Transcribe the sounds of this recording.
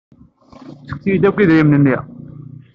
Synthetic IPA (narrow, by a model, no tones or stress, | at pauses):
t͡sːə̥k̚θijid̪ækʷːiðɾimnənːiʁ